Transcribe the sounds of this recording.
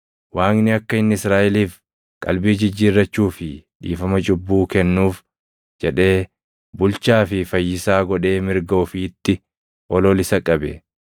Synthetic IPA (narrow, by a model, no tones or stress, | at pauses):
waːŋnɪɐkːɐɪnːɪɪsɾaːʔɪliːf | kʼɐ̰lbiːd͡ʒɪd͡ʒːiːrːɐt͡ʃːuːfɪᶑḭːfɐmɐt͡ʃʼʊbːuːkɛnːuːf | d͡ʒɛᶑe̞ː | bʊlt͡ʃaːfɪfɐjːɪsaːɡɔᶑe̞ːmɪɾɡɐʊfɪt̪ːɪ | ʔɔlɔːlɪsɐkʼɐbɛ